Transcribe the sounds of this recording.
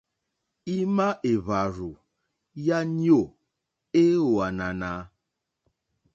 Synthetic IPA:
i˦ma˦ʔe˨βa˨ɾu˨ | ja˦ɲi˦o˦˨ | e˦o˨a˨na˨na˨˦

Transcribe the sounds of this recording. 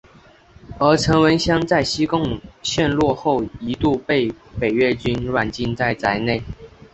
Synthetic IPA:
ə˧˥ʈ͡ʂʰɤ˧˥ŋwə˧˥nɕjɑ˥ŋt͡sa˥˩ɪɕi˥kʊ˥˧ŋɕjɛ˥˧nlwɔ˥˧xo˥˩ʊi˧˥t̪u˥˧pe˥˩ɪpe˨˩ɪɥɛ˥˩t͡ɕy˥nɻwa˨˩nt͡ɕi˥˧nt͡sa˥˩ɪt͡sa˧˥ɪne˥˩ɪ

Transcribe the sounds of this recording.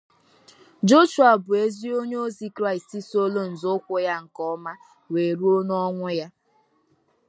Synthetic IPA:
d͡ʒo˦ʃu˨a˨bʊ˨e˦zi˦o˦ɲe˦o˦zi˦kɾa˦˨ɪ˨sti˦so˦lo˦n̩˨zkʷʊ˦ja˦ŋ̩˨kɔ˦ma˦ | we˨ɾu˦o˦nɔ˦ŋʷʊ˦ja˦

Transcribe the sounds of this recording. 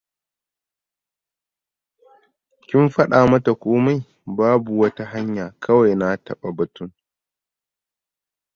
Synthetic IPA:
kʲɪ˦mɸɐ˦ɗaː˨mɐ˦ta˨kʷoː˦ma˦j | baː˦bu˨wɐ˦ta˦ɦa˦ɲjaː˨kʰɐ˦wa˨jna˦tʰɐ˨ɓa˨bɐ˨tʊ˦ŋ

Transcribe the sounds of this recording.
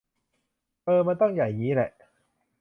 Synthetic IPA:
ʔɤː˧ma˧nt̪ɔ˥˩ŋja˨˩jɲiː˦˥lɛ̰˨˩ʔ

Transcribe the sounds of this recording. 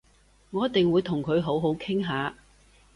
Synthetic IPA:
ŋɔː˨˦jɐ˥t̪̚t̪ɪ˨ŋwuː˨˧jt̪ʰʊ˨˩ŋkʰɵ˨˧ɥɦo˨˥wɦo˨˥wkʰɪ˥ŋɦaː˨˧

